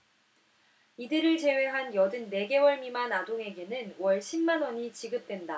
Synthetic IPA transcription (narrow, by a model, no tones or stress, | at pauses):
idɯɾɯɭt͡ɕe̞we̞ɦanjʌdɯnːe̞ɡe̞wʌɭmimanadoŋe̞ɡe̞nɯnwʌɭɕʰimːanwʌɲit͡ɕiɡɯp̚t͈we̞nda